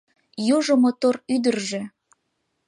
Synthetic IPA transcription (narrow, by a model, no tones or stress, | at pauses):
juʒŏmot̪oryd̪ərʒĕ